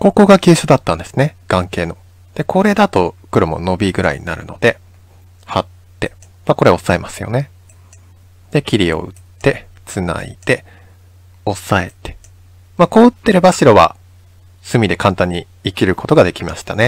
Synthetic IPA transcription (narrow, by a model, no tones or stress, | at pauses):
ko̞ko̞ɡakʲɨ̟ːɕod̪at̪ːãnd̪e̞̥sɨne̞ɡ̥ãŋke̞ːno̞ | d̪̥e̞kʰo̞ɾe̞d̪at̪o̞kɯ̟ɾomo̰no̞bʲiɡɯ̟ɾa̰ḭɲ̟ina̰ɾɯ̟̰no̞̰d̪e̞ | hat̪ːe̞ | mako̞ɾe̞o̞sːaemasɨjo̞̰ne̞ | d̪̥e̞kʲiɾʲio̞̰ɯ̟tt̪ːe̞ | t͡sɨna̰ḭt̪e̞ | o̞sae̞t̪e̥ | mako̞ːɯ̟t̪ːe̞ɾebaɕiɾo̞βa̰ | sɨmʲid̪e̞kãnt̪ãɲ̟ːi | ikʲiɾɯ̟ko̞t̪o̞ɡad̪e̞kʲimaɕi̥t̪ane